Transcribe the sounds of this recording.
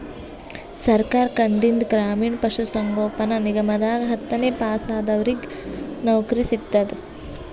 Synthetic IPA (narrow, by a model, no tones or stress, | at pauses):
sɐɾkaːɾkɐɳɖind̪ɡɾaːmiːɳpɐʂusɐŋɡoːpɐnɐniɡɐmɐd̪aːɡɦɐt̪ːɐneːpaːsaːd̪ɐʋɐɾiɡ | nɐwkɾisit̪ːɐd̪